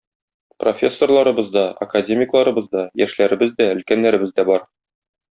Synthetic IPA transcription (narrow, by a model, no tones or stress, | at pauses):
pro̞̰fʲe̞sːo̞rlˠɑɾɤ̆bɤzd̪ɑɐ̰kadʲemʲɪklˠɑɾɤ̆bɤzd̪ɑjæʃlæɾɘ̆bɘzd̪æɵ̆lkænːæɾɘ̆bɘzd̪æbɒɾ